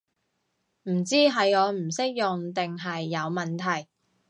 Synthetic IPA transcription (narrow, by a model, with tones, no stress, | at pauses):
m̩˨˩t͡siː˥ɦɐ˨˧jɔː˨˧m̩˨˩sɪ˥k̚jʊ˨ŋt̪ɪ˨ŋɦɐ˨jːɐ˨˧wmɐ˨˩nt̪ʰɐ˨˩j